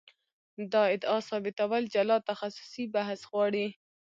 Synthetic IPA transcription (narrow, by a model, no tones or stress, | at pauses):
d̪ɑɪd̪ɑsɑbɪt̪awald͡ʒalɑt̪axasʊ̥sibaɦsɣwɑɽi